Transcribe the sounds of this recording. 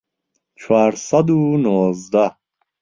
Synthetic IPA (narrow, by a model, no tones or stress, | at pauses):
t͡ʃʰaɾsad̪unuɔzd̪a